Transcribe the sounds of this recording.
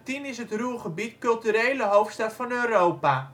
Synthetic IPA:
tinɪsɦətruχəbitkɵlˠtyɾejləɦowftstɑtfɑnøːrowpaː

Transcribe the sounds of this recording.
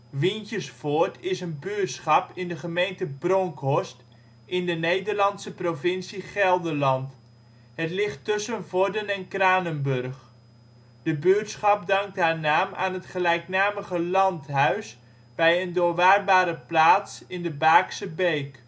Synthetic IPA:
ʋintjəsfoːɹtʰɪsənbyətsχɑpɪndəχəmejntəbrɔŋkɦɔst | ɪndənejdəɹlɑnsəprovɪnsiχɛlˠdəlɑnt | ɦətlɪχtːɵsənvɔɹdənɛnkraːnənbørχ | d̥əbytsχɑp̚dɑŋk̚tɦaːɹnaːma̰ːnɦətχəlɛjknaːməχəlɑntɦœɥs | bɛjəndʊːɹʋaːrbaːɾəplaːtsɪndəbaːksəbejk

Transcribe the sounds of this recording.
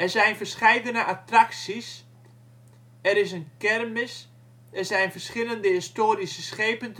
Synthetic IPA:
ɛzɛjnfərsχɛjdənəʔatraksis | ɛɾɪs̬ənkɛrmɪs | ɛrsɛjnfərsχɪləndəhɪstoːɾisəsχeːpənt

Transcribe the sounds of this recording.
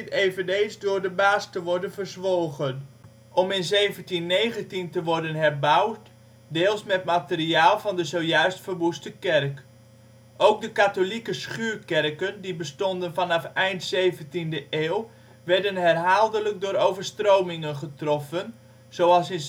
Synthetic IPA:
tejvənejnszdʊːrdəbaːstəʋɔɹdənvərzʋoːɣən | ʔɔmɪnzejvəntinːejɣəntintəʋɔrdənɦɛrbawt | deːlˠsmɛtmatəriaːlˠvɑndəzowjœɥstfərʋustəkɛrk | ʔowk̚dəkatolikəsχyːrkɛrkəndibəstɔndənfɑnɑfɛjntsejvəntindəʔeːwˠ | ʋɛɹdənɦɛrɦaːlˠdələk̚dʊːɾowvərstrowmɪŋənχətrɔfən | z̥owɑlˠsɪn

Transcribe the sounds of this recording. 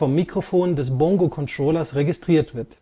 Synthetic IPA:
ɔmːikʁ̥ofoːndɛs̬bɔŋɡokʰɔnstʁ̥oːlɐsʁeɡɪstʁ̥iːɐtv̥ɪɐt

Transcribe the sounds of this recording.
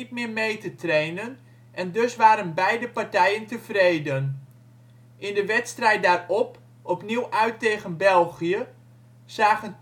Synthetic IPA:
it̚mɪːɹmejtətrejnən | ʔɛndɵsʋaːɾənbɛjdəpaɹtɛjəntəv̥rejdən | ʔɪndəʋɛtstrɛjt̚daːrɔp | ɔpniwʔœɥtejχənbɛlˠχiə | z̥aːχən

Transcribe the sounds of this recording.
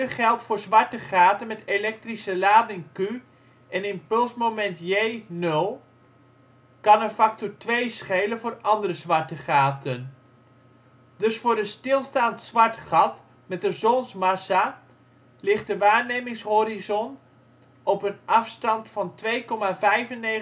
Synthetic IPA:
χɛlˠtfʊːɹzʋɑɹtəχaːtənmɛtelɛk̚trisəlaːdɪnky | ɛnɪmpɵlˠsmomɛntjejnɵlˠ | kɑnənfɑk̚tɔɹtʋejsχejlənvʊːrɑndərəzʋɑɹtəχaːtən | dɵsfʊːɹdəstɪlˠstaːntsʋɑɹtχɑt | mɛtdəzɔnsmɑsa | lɪχtdəʋaːɹnejmɪŋsɦoɾizɔn | ɔpənɑfstɑntfɑntʋejkɔmavɛjvənːe

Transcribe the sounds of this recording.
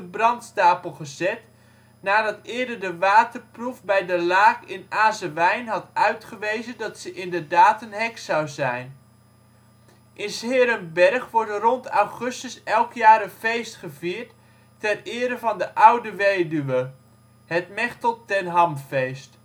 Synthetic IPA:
əbrɑntstaːpəlˠχəzɛt | naːdɑtɪːɹdəɹdəʋaːtəɹprufbɛjdəlaːkɪnaːzəʋɛjnɦɑtœɥtχəʋejzəndɑtsəʔɪndəɹdaːtənɦɛksɑwzɛjn | ʔɪnsɪːɾəmbɛrχʋɔɹdərɔntɑwχɵstəsɛlˠkjaːɾənfejstχəviːɹtː | ɛrɪːɾəvɑndəʔʌwdəʋejdyʋə | ɦətmɛχtəlˠtɛnɦɑmfejst

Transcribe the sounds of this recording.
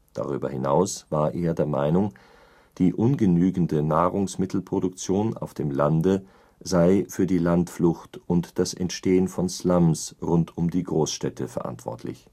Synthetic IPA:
d̥a̰ʁ̞y̰ːbɐ̰hɪna̰ʊsv̥aːɐʔeːɐdeːɐma̰ɪnʊŋ | d̥iːʔʊnɡənyːɡn̩dənaːʁʊŋsmɪtl̩pʁ̥odʊk̚t͡sjoːna̰ʊfd̥eːmlandə | zaɪfyːɐdiːlantflʊxtʔʊntd̥asɛ̰ntʃteːənfɔnslamsʁʊntʰʊmdiːɡʁoːsʃtɛtʰəfɛɐʔa̰ntv̥ɔ̰ɐtʰlɪ̰ç

